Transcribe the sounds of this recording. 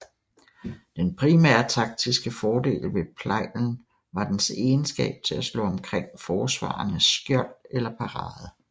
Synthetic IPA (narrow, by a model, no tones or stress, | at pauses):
d̥enpʰʁimæɐ̰t͡sʰɑ̈ɡ̥̚d̥isɡ̥əfɒːd̥e̝̰ːlʋe̝pʰlɑ̈ɪ̰ln̩ | ʋɑ̈d̥ense̝ːnsɡ̥ɛ̰ːb̥̚t͡sʰe̝læslɔ̰ːɒ̽mkʰʁeŋ̰fɒːsʋɑ̰̈ːnəsɡ̥jɒld̥elɐpʰɑ̈ʁɑ̈ːð̩ˠ